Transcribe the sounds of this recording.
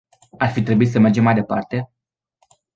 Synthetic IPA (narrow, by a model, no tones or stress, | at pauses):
arfit̪ɾe̞buit̪səme̞rd͡ʒe̞mːajd̪e̞pa̰rt̪e̞